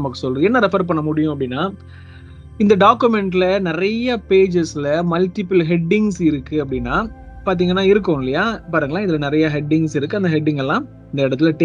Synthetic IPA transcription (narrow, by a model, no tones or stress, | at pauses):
mɐkːɯ̥sɔlɾɯɛnːɐɾɪfɐɾpɐɳːɐmʊɽɪjʊ̃ɐp̬ːɐɽɪnːaː | ɪnd̪ɐɖaːkːɯmɛɳʈlɐnɪɾɐjɐpeːd͡ʒɪslɐmɐlʈɪpɐlɦɛɖːɪŋsɪɾɯkːɯɐp̬ːɐɽɪnːaː | paːɾt̪̬iːŋɡɐnːaːɪɾɯk̬ːʊ̃ɪlɐjaːpaːɾɯŋɡɐlaːɪðɯlɐnɪɾɐjɐɦɛɖːɪŋɡsɪɾɯkːɯɐnd̪ɐɦɛɖːɪŋɡɛlːãː | ɪnd̪ɐɪɽɐt̪̬ːɪlɐʈ